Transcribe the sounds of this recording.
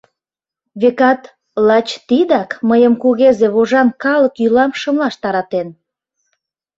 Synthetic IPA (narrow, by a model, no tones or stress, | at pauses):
βekɑt̪ | lɑt͡ɕt̪id̪ɑkməjəmkuɣezeβoʒɑnkɑləkjylɑmʃəmlɑʃt̪ɑɾɑt̪en